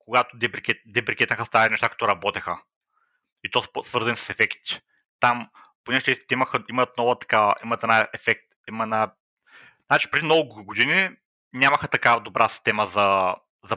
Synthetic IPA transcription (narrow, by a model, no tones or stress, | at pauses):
koɡat̪od̪ɛpɾikɛtd̪ɛpɾikɛt̪nəxəst̪aɾinɛʃt̪akɐ̥t̪oɾɐbɔt̪ɛxə | it̪ɔssvɤɾzɐnisə̥sɛfɛkt̪ | t̪am | ponɛʒt̪ɛst̪ɛimɐxəimət̪̚nɔvɐt̪ɐ̥kavɐʔimət̪ɛnaɛfɛk̚t̪ | iməɛna | nat͡ʃi̥pɾɛd̪inɔvʊɡod̪ini | nʲamɐxət̪ɐkavɐd̪obɾʔasi̥st̪ɛməzɐ | zɐ